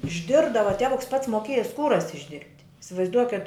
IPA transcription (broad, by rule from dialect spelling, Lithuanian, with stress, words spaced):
ɪʒʲˈdʲɪrbdɐʋɐ ˈtʲæːʋʊks pɐts moːˈkʲeːjɛ ˈskuːrɐs ɪʒʲˈdʲɪrʲpʲtʲ ɪsʲɪʋɐɪzˈduɔkʲɛt